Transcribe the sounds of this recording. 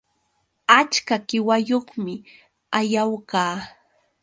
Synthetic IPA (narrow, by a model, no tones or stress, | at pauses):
at͡ʃkakɪwajoχmɪ | ajawkaː